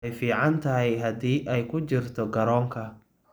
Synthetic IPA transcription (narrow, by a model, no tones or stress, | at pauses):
jfiːʕɑnt̪ʰɐɦɛjɦɐd̪iːʔɛjkʰʊt͡ʃɪrt̪ʰɔɡɐɾɔːŋkʰɐ